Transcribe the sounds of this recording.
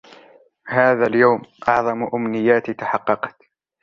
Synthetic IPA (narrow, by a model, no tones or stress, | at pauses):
haːðaːljawmʔɑʕðˤɑmʔʊmnɪjːaːt̪ɪt̪aħɑqːɑqɑ̥t̪